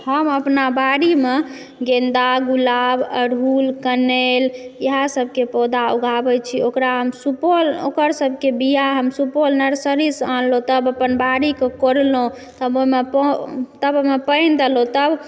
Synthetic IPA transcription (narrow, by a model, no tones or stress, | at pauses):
həməpnabaɾime | ɡẽnd̪aɡulabə̰ɾɦulkəneljəɦasəbʱkepɔd̪auɡʱabɛt͡ʃʰiokɾaɦəmsupolo̰kəɾsəbʱkebijaɦəmsupolnəɾsəɾisãnlõt̪əbəpənbaɾikekoɾlõ | t̪əbomept̪əbomepəɪnd̪elõt̪əb